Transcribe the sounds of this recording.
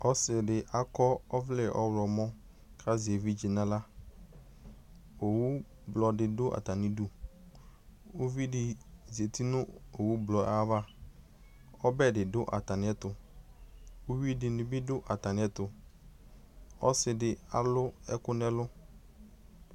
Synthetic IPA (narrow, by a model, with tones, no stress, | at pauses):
ɔ˦sɪ˨dɪ˨ʔa˦kɔ˦ɔ˦vlɪ˨ʔɔ˦wlɔ˨mɔ̃˦ | kʰa˦ze˨vi˦d͡ʒi˨na˦la˦ | o˨wu˦ | blɔ˨dɪ˨dʊ˦ʔa̰˨ta˨nɪ̃˨du˦ | o˦vi˦dɪ˨ze˨ti˦nʊ̃˦o˨wu˦blɔ˨a˦va˦ | ɔ˦bɛ˦dɪ˨dʊ˦ʔa̰˨ta˨nɪ̃˨˦ɛ˦tʊ˨ | ʊ˦wi˦dɪ˨nʊ̃˨bɪ˦dʊ˦ʔa˨ta˨nɪ̃˨˦ɛ˦tʊ˨ | ɔ˦sɪ˨dɪ˨a˦lʊ˦ɛ˦kʊ˦nɛ˦lʊ˦